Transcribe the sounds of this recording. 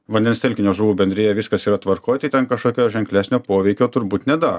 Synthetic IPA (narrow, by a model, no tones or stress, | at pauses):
ʋɐnʲd̪ʲɛnst̪ʲɛlʲkʲɪnʲoːʒuːʋuːbʲɛnʲd̪ɾʲeːjɛʋʲɪskɐsiːɾɐt̪ʋɐɾkoːjt̪ɐɪt̪ʲɛnkɐʃkoːkʲoːjʒʲɛŋklʲæːsʲnʲoːpoːʋʲɛɪkʲoːt̪ʊɾbuːt̪nʲɛd̪ɑːɾ